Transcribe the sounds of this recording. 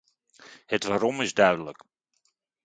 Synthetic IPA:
hətʋaːɾɔmɪzdœɥdələk

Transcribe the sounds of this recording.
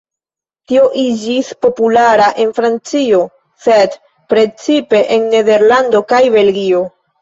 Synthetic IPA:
tio̞ʔid͡ʒispo̞pulaɾaʔe̞nfɾant͡sio̞ | se̞d | pɾe̞t͡sipe̞ʔenːe̞de̞ɾlando̞kajbe̞lɡio̞

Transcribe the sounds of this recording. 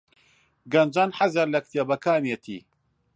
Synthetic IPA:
ɡɐnd͡ʒaːnħazɐɾlɐk̚t̪jebɐkaːnjet̪ʰḭː

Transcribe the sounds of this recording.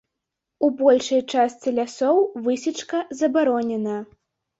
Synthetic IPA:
ubɔlʲʂɐjt͡ʂast̪t͡s̪ʲɛlʲasɔwvɨsʲit͡ʂkɐzɐbaɾɔnʲɛnɐ

